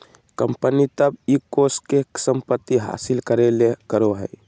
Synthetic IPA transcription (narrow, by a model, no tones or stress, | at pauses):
kəmpənit̪əbikoskeksəmpət̪ːiɦa̰silkəɾelekəɾoɦə̰j